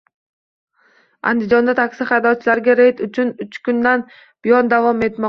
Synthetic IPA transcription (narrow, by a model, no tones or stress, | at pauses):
a̰nd̪ɪd͡ʒɒnd̪at̪ʰakʲsɪχɑjd̪ɒt͡ʃʰɪlaɾɡʲaɾed̪ʊt͡ʃʰʊnʊt͡ʃkʊnd̪an | b̥ɪjɒnd̪avɒme̞t̪mɒq